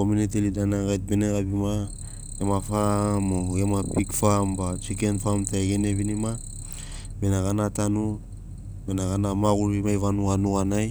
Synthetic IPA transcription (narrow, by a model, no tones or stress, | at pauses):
kominetelidanaɡajt̚be̞neɡabima | ɡemafamoɡemapikfambat͡ʃike̞nfamtaeɡeneβinima | me̞naɡanatanu | me̞naɡanamaɡuɾimajvanuɡanuɡanaj